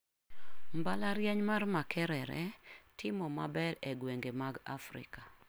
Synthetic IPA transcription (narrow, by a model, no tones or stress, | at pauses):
mbalaɾjɛɲmarmakʰɛɾɛɾɛ̰tʰɪmɔmabɛlɛɡweŋɡemaɡa̰fɾɪ̰ka